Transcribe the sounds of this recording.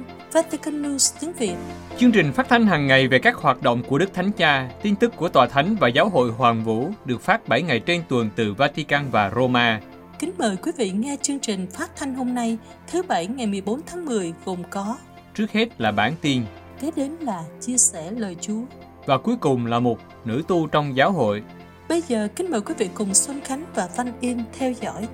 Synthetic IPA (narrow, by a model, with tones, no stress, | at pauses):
vaː˧t̪i˧ka˧nːu˧st̪i˨˦əŋvi˨˩ət̚t͡ɕɨ˧əŋt͡ɕï˨˩ŋ̟faː˦˥t̚t̪ʰa˧jŋ̟ɦaː˨˩ŋːa˨˩jve˨˩kaː˦˥k̚hwaː˨˩t̚ɗo̰˧˨wŋ͡mku˧˩əɗɨ˦˥k̚t̪ʰa˨˦jŋ̟t͡ɕaː˧t̪i˧nt̪ɨ˦˥kːu˧˩ət̪waː˨˩t̪ʰa˨˦jŋ̟vaː˨˩zaː˨˦wɦo̰˧˨jhwaː˨˩ŋvṵ˧˥ɗɨ˨˩ək̚faː˦˥t̚ɓa˧˩jŋa˨˩jt͡ɕe˧nt̪wə˨˩nt̪ɨ˨˩vaː˧t̪i˧kaː˧nvaː˨˩ɾo˧maː˧ | kï˨˦ŋ̟məː˨˩jkwi˨˦vḭ˧˨ŋɛ˧t͡ɕɨ˧əŋt͡ɕï˨˩ŋ̟faː˦˥t̚t̪ʰa˧jŋ̟ho˧mna˧j | t̪ʰɨ˨˦ɓa˧˩jŋa˨˩jmɨ˨˩əjɓo˨˦nt̪ʰaː˨˦ŋmɨ˨˩əjɣo˨˩ŋ͡mkɔ˨˦ | t͡ɕɨ˦˥ək̚he˦˥t̚laː˨˩ɓaː˧˩nt̪i˧n | ke˨˦ɗe˨˦nlaː˨˩t͡ɕi˧əsɛ˧˩ləː˨˩jt͡ɕu˨˦ə | vaː˨˩ku˨˦jkʊ˨˩ŋ͡mlaː˨˩mo˨˩t̚ | nɨ̰˧˥t̪u˧t͡ɕɔ˧wŋ͡mzaː˨˦wɦo̰˧˨j | ɓə˧jzəː˨˩kï˨˦ŋ̟məː˨˩jkwi˨˦vḭ˧˨kʊ˨˩ŋ͡mswə˧nxa˨˦jŋ̟vaː˨˩va˧nʔi˧nt̪ʰɛ˧wzɔ̰˧˥˨j